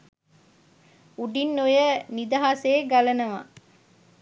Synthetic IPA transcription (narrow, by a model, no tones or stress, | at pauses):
uɖinːojənid̪ɐɦaseːɡɐlɐnɐʋa̰